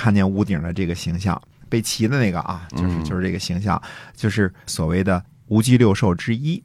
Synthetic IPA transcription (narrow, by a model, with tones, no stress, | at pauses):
kʰa˥˧nt͡ɕjɛ˥˩nu˧˥t̪i˨˩ŋd̪ə˦ʈ͡ʂɤ˥˩ɡə˩ɕi˧˥ŋɕjɑ̰˥˩ŋ | pe˥˩ɪt͡ɕʰi˧˥d̪ə˧na˥˩ɪɡə̰˩ʔɐ˩t͡ɕjo˥˧ʂɻ̩˧jo˥˧ʊʂɻ̩˥˩ʈ͡ʂɤ˥˩ɡə˩ɕi˧˥ŋɕ̬jɑ̰˥˧ŋt͡ɕjo˥˧ʊʂɻ̩˥˩swɔ˨˩we˥˩ɪd̪ə˩ | u˧˥t͡ɕi˥ljo˥˧ʊʂo˥˩ʊʈ͡ʂɻ̩˥i˥